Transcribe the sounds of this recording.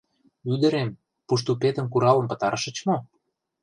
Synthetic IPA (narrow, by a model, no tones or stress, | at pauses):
yd̪ə̆ɾem | puʃ̬t̪upet̪ə̆mkuɾɑlə̆mpə̆t̪ɑɾʃə̆t͡ɕmo